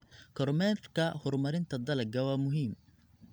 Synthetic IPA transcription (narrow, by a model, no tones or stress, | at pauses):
kʰɔrmɛːrkʰɐhɔrmɐɾɪnt̪ʰɐd̪ɐlɐɡɐwɑːmʊɦiːm